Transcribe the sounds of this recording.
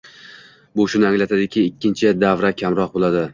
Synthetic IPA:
bʊʃʊnɪaŋlat̪ʰad̪ɪkʲʰɪːkʲːɪnt͡ʃʰɪd̪avɾakʲʰamɾɒq̚bolˠad̪ɪ

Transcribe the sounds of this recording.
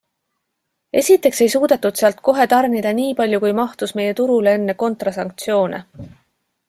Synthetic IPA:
e̞sʲit̪ːˑe̞kse̞jsuːd̪̥ɑt̪ːud̪̥seɑlt̪̚ko̞ɦe̞t̪ɑrnid̪ɑniːpɑlʲjukujmɑht̪usme̞je̞t̪uɾulee̞nːe̞ko̞nt̪rɑsɑŋk̚t̪sio̞ːnḛ

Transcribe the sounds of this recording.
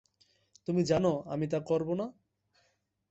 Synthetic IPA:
t̪umid͡ʑanoamit̪akɔɾbona

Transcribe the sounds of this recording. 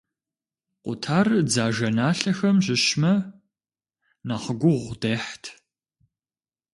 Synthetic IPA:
qʷʊtʰaːrd͡zaːʒɐnaːɬɐxɐmʑɪɕmɐ | naːχəɡʷʊʁʷdeːħtʰ

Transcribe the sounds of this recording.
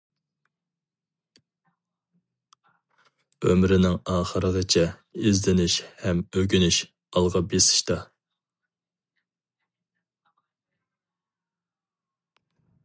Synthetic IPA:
ømɾɪnɪŋɑːχəɾəʁət͡ʃʰɛizlɪnɪʃhɛmøɡʲynɪʃ | ɑlˠʁɑbesɪ̥ʃt̪ɑ

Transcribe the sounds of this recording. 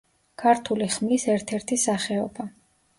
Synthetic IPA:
kʰaɾt̪ʰuliχmlisɛɾt̪ʰɛɾt̪ʰisaχɛɔba

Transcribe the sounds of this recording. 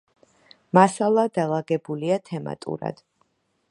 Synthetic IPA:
masalˠad̪alˠaɡɛbuliat̪ʰɛma̰t̪ʼṵɾa̰d̪̥

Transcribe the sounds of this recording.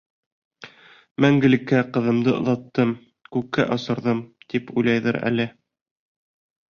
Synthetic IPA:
mæŋɡɘ̆lɘ̆kːæqɤ̆ðɤ̆md̪ɤŏðɑt̪ːɤm | kʉkːæ̰ʔɑsɤ̆ɾðɤmt̪ipujlˠɑjðɤɾæ̰lɘ

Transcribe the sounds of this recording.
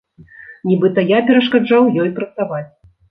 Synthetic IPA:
nʲibɨt̪ɐjapʲɛɾɐʂkad͡ʐawjɔjpɾɐt̪savat͡sʲ

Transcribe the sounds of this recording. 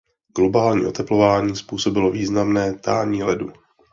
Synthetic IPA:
ɡ̥lo̞baːlɲḭːʔo̞t̪ɛplo̞vaːɲiːspuːso̞bɪlo̞viːznamnɛːt̪aːɲiːlɛdu

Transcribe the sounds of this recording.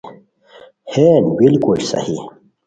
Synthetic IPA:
heːnbilkulsɐ̰hi

